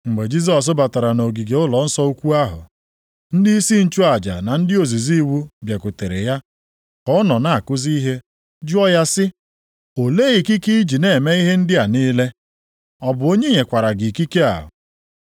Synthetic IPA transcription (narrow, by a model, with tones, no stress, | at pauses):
ŋ͡m̩˨ɡ͡be˨d͡ʒi˦z̬ɔ˨s̬ʊ˦ba˨ta˨ɾa˨no˨ɡi˨ɡe˨ʊ˦lɔ˨n̩˦sɔ˦u˦kʷu˦a˦ɦʊ̰˨ | n̩˦di˦i˦si˦n̩˦t͡ʃu˦a˨d͡ʒa̰˨na˨n̩˦dɪ˦o˨zi˨zi˦wu˦bje˨kʊ˨te˨ɾe˨ja˦ | kɔ˦ɔ˦nɔ˨na˨a˨kʊ˦zi˦i˦ɦe˦ | d͡ʒʊ˦ɔ˦ja˦sɪ˦ | o˨le˦i˨ki˦ki˦i˦d͡ʒi˨ne˨e˨me˦i˦ɦe˦n̩˦dɪ˦a˨ni˦le˦ | ɔ˦bʊ˨o˦ɲe˦ɲe˨kʷa˨ɾa˨ɡɪ˨ki˦ke˦a̰˨ɦʊ̰˨